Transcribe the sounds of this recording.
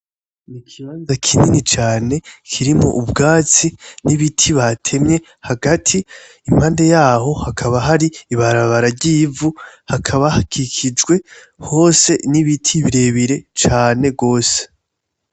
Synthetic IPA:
nikʰiβaːnzakʰininit͡ʃaːne̞kʰiɾimo̞̰ʔubɡaːt͡siniβitʰiβatʰe̞mɲe̞ | haɡatʰiː | m̥haːnde̞jaːho̞hakʰaβaɦaɾiːβaɾaβaɾaɾɟiːvuhakʰaβahakʰikʰid͡ʒɡwe̞ | ho̞ːse̞niβitʰiβiɾe̞βiɾe̞t͡ʃaːne̞ɡo̞ːse̥

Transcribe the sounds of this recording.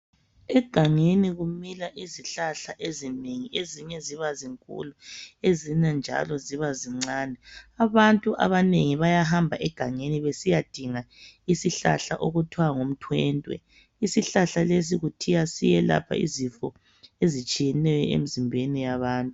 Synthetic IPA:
ɛɡ̥ʱaŋeniɣumilaʔiziɬaɬaʔezineŋieziɲɛziβaziŋkʼṵluezinand͡ʒʱa̰lɔziβaziŋ͡ǀaːnɛaβantʼuʔa̰βaneŋiβajaɦambʱaʔɛɡ̥ʱaŋeniβesijad̥ʱiŋaisiɬa̰ɬa̰ʔoɣutʰiwaŋom̩tʰwɛːntʼwɛ̰ | isiɬaɬales̬iɣutʰijasijɛla̰pʰa̰ḭzifɔ | ezit͡ʃʼijɛnɛjɔḛmizimbʱenijaβaːntʼu

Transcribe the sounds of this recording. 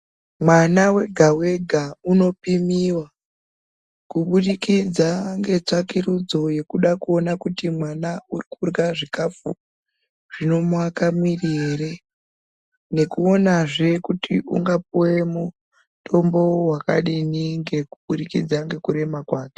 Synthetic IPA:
mwanawe̞ɡʱawe̞ɡʱauno̞pimiwa | kuɓuɗikid͡zaŋɡe̞t͡ʂakirud͡zo̞je̞kuɗakuo̞nakutimwanaurikurɡaʐikafu | ʐ̥ino̞muakamirieɾe | ne̞kuo̞naʐe̞kutʰiṵŋɡapuwe̞mu | tʰo̞mbo̞waka̰ɗiniŋɡe̞kuɓuɗikid͡zaŋɡe̞kuɾe̞makwaːke̥

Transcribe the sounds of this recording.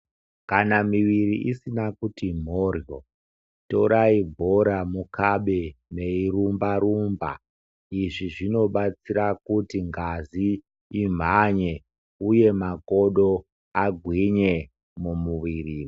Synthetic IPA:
kanamiʋiɾiʔisinakutim̤orjo | to̞ɾaibʱo̞ɾamukaɓene̞irumbaɾumba̰ | iʐiʐino̞ɓat͡siɾakutiŋɡaziː | m̤aɲe̞ | uje̞mako̞ɗo̞ | aɡʱwiɲe̞ | mumuʋiːriː

